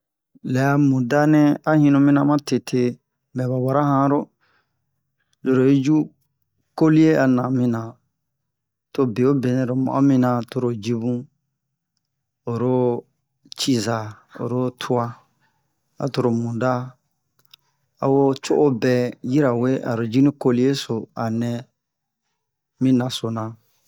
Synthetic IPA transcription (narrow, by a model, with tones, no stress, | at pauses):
lɛ˨a˧mũ˨da˦nɛ̃˦a˨hĩ˧nũ˧mĩ˦nã˧mã˦tʰe˨tʰe˧˨ | mɛ̃˨ba˨wa˨ɾa˦hã˧ɾo˦ | lo˨ɾo˨i˦d͡ʒu˦ | ko˦li˦e˦ʔa˨nã˨mĩ˧nã˨ | to˧be˨o˦be˨nɛ̃˨ɾo˨mã̰˨ʔo˦mĩ˧nã˧to˧ɾo˨d͡ʒi˧bũ˦ | o˨ɾo˦ | t͡ʃi˦za˨ | o̰˨ɾo˦tʰu˦a˧ | a̰˨to˧ɾo˨mũ˨da˦ | a̰˨wo˦t͡ʃo˦ʔo˦bɛ˨ji˦ɾa˨we˦ʔa̰˨ɾo˨d͡ʒi˦nĩ˦ko˦li˦e˦so˨a˨nɛ̃˧ | mĩ˦nã˨so˨nã˨